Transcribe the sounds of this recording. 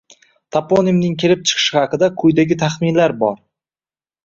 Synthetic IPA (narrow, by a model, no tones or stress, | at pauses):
t̪ʰapʰonimnɪŋkʲʰe̞lɪp̚t͡ʃʰɨ̥qʰɨ̥ʃɪχɑqɨd̪akʰʊjd̪aɡʲɪt̪ʰaχmɪnlaɾbɒɾ